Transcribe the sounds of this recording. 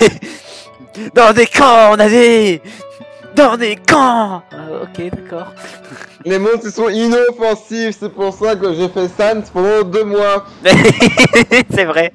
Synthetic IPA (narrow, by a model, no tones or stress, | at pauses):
e | d̪ɑ̃d̪ekɑ̃ɔ̃nade | d̪ɑ̃d̪ekɑ̃ | o̰kʲed̪akɔːʁ | lemɔ̃d̪̚sisɔ̃inɔfɑ̃sifsɛpuʁsakəʒefɛsanspɑ̃d̪ɑ̃d̪ømwa | sɛvʁɛ